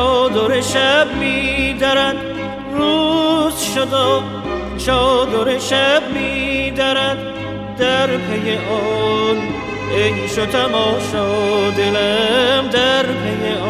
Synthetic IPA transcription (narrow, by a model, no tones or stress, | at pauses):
ɔd̪oɾeʃæb̚mid̪æɾæd̪ | ɾuːzʃod̪ɔ | t͡ʃʰɔːd̪oɾeʃæbmid̪æɾæd̪ː | æɾpʰejeʔɔn | ejʃot̪ʰæmɒːʃɔd̪elæmd̪æɾpʰejeɔ